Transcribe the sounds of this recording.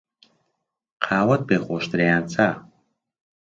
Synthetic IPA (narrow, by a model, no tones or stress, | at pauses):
qʰaːwat̪̚beχɔʃt̪ɾɛant͡sʰʼa